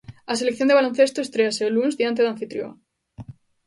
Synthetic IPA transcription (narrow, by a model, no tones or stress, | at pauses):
aselekθjond̪ealonθe̞st̪oest̪ɾeaseolunzðiant̪̬eðaɱfit̪ɾjo̰a̰